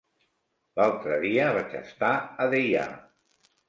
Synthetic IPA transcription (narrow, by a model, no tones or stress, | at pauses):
lalˠt̪ɾəðiəβat͡ʃə̰st̪aəðeja̰